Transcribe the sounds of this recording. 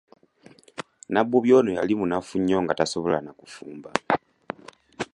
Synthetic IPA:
nabuβjo̞noja̰limunafuɲːo̞ŋɡataso̞βo̞lanakufuːmba

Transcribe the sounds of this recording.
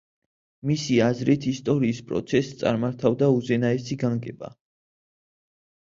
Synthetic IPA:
misiazɾit̪ʰist̪ʼɔɾiːspʼɾɔ̰t̪sʰɛst̪sʼa̰ɾmaɾt̪ʰavd̪auzɛnaɛsiɡaŋɡɛba̰

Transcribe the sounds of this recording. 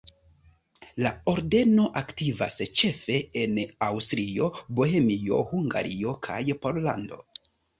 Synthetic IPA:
lao̞ɾde̞no̞ʔaktiva̰st͡ʃe̞fe̞enawstɾio̞boɦe̞mio̞̰huŋɡa̰ɾio̞kʰa̰jpo̞ɾlando̞̰

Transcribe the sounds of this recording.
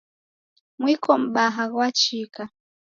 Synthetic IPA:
mwikʰɔm̩ɓaɦaɣwat͡ʃika

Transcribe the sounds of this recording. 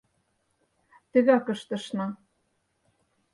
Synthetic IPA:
t̪ɘ̆ɣækɤ̆ʃt̪ɤ̆ʃnɑ

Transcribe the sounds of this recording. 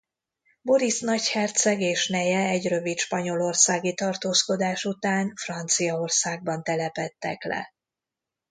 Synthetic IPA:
bo̞ɾisnɒchɛrt̪sɛɡeːʃnɛjɛɛɟrø̞vit̪ʃpɒɲo̞lo̞rsaːɡit̪ɒrt̪oːsko̞d̪aːʃut̪aːnfrɒnt̪sijɒo̞rsaːɡ̚bɒnt̪ɛlɛpɛt̪ːɛ̰klɛ̰

